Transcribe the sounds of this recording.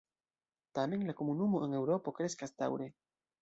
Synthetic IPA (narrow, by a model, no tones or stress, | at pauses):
tame̞nlako̞munumo̞ʔe̞ne̞wɾo̞po̞kɾe̞skasd̪a̰wɾe̞